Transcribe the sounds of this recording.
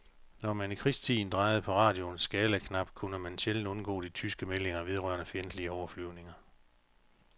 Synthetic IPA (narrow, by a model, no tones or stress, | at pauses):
nɒmænikʰʁisd̥t͡sʰḭːn̩d̥ʁɑ̈ɪð̞̩ˠpʰɒ̽ʁɑ̰̈ːd̥jo̝nsɡ̥ɛːləkʰnɑ̈b̥kʰunəmænɕel̰n̩dɔ̽nɡ̥ɔ̰̽ːd̥it͡sʰysɡ̥əmele̝ŋɐʋe̝ð̞ˠʁɶɐ̰nəfjend̥liəɒʊɐflyʊne̝ŋɐ